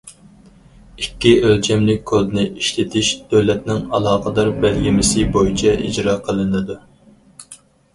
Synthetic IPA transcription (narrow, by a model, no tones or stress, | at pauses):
ikʲːiʔølt͡ʃʰɛmlɪk̚ʲkʰːod̪nɪʔiʃlɪt̪ʰɪʃd̪̥øwlɛt̪̚nɪŋɑlˠɑːqəd̪ɑɾbɛlɡʲɪmɪsɪbojit͡ʃʰɛʔḭd͡ʒɾɑːqʰəlˠɨnɨd̪u